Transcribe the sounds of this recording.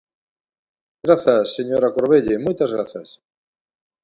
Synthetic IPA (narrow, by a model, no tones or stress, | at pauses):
ɡ̥ɾaθasːeɲoɾakoɾβeʎemojt̪azɣɾa̰θɐs